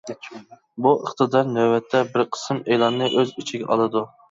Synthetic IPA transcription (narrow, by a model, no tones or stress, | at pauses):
buʔə̰χt̪ʰɨd̪ɑɾnæwwɛt̪ʰːɛbɪɾqʰə̥sɨmelˠɑnːɨʔøzit͡ʃʰiɡʲɛʔɑlˠɨd̪u